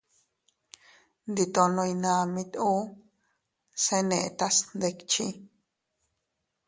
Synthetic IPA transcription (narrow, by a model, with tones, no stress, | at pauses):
nd̪i˧t̪o˧nõ˧jnã˧mĩ˧t̪u˦ | sẽ˦nẽ˧ʔt̪a˦snd̪e˧kt͡ʃĩ˦